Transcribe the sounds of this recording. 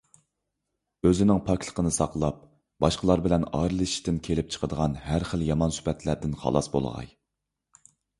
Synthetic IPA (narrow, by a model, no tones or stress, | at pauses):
øzɪnɪŋpʰɑkʰʲlˠə̥qʰənɨsɑqlˠɑp̚ | bɑʃqəlˠɑɾbɪlɛnɑɾɨlˠɨʃi̥ʃt̪ɪnkʲʰelɪp̚t͡ʃʰə̥qʰəd̪əʁɑnhæɾχəljɑmɑnsy̥pɛt̪ʰlæɾd̪ɪnχɑ̰lˠɑsbo̰lˠə̰ʁɑ̰j